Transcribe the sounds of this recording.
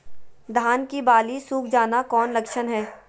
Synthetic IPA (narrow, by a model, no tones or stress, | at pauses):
d̪ʱaːnkibaːlisuːk̚ʰd͡ʒaːnakɔːnlɐkʃənɦɛː